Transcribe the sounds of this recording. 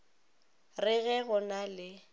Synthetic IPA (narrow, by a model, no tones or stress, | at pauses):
rɪɣɛɣʊnalɪ